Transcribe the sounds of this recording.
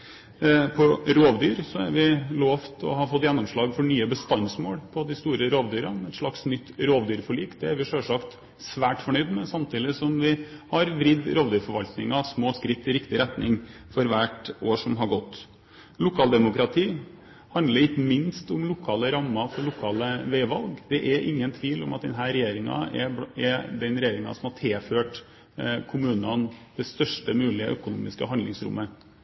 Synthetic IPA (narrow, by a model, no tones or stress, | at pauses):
pʰɔɾoːʋd̪yːɾsɔæ̰ɾʋɪloːʋt̪ʰɔ̰hɑfɔt̪ːjɛnːʊmʂɭɑːɡfɔɳyːəbəst̪ɑnsmoːɽpʰɔd̪ɪst̪uːɾəɾoːʋd̪yːɾɑɛt̪ʂɭɑksnʏt̪ːɾoːʋd̪yːɾfɔɭiːkd̪ɛæɾʋɪʂœlʂɑkt̪ | sʋæːʈfɔɳœʏd̪mɛsɑmt̪ʰiːd̪ɪsɔmʋɪhɑɾʋɾɪd̪ɾoːʋd̪yːɾfɔɾʋɑlt̪nɪŋɑsmoːskɾɪt̪ːɪɾɪkt̪ɪɾɛt̪nɪŋfɔɾʋæːʈoːʂɔmɦɑɾɡɔt̪ː | lʊkʰɑːld̪ɛmʊkɾɑt̪ʰiː | hɑnd̪ləɾɪkəmɪnst̪ʊmlʊkʰɑːləɾɑmːɑfɔɾɭʊkʰɑːləʋɛɪʋɑlɡd̪̥ɛʔɛɾʔɪŋːənt̪ʰʋiːlɔ̰mɑt̪̚d̪ɛnɦæːɾɛjeːɾɪŋɑ̰ɛɛd̪ɛnɾɛjeːɾɪŋɑ̰sɔmhɑʈʰeːføːʈ | kʰʊmʉːnɑnd̪ɛst̪œʂʈəmʉːlɪə̰ʔœkʊnuːmɪskəɦɑnd̪lɪŋsɾʊ̰mːə